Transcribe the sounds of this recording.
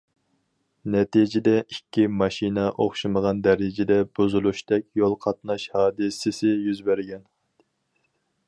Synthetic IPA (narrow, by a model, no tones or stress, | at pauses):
nɛt̪id͡ʒɪd̪ɛikʲːimɑʃinɛʔoχʃiməʁɑnd̪ɛɾɪd͡ʒɪd̪ɛbuzulˠuʃt̪ɛkʲjolˠqʰɑt̪nɑʃhɑːd̪ɨsɪsɪjyzbæɾɡʲɛn